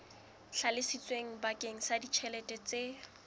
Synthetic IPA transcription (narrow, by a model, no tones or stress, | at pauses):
ɬʰalɪsit͡sʼweŋ̩bakʼeŋ̩sadit͡ʃʰɛlɛtʼɛt͡se